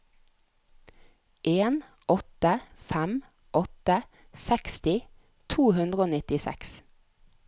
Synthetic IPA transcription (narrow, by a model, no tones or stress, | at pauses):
ʔeːn | ʔɔt̪əfæm | ʔɔt̪ə | sɛkst̪ɪ | t̪ʰuːhʉnd̪ʁəoːnɪt̪ɪsɛ̰ks